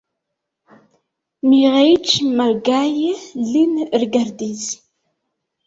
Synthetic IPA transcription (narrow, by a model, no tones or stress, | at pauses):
miʁejt͡ʃːməɾɡajlinəɾɡəɾd̪iz